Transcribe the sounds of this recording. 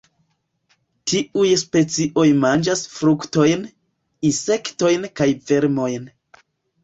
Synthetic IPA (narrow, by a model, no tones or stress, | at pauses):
tiʔujspe̞t͡siʔo̞jmand͡ʒasfɾukto̞jn | inse̞kto̞jnkajve̞ɾmo̞jn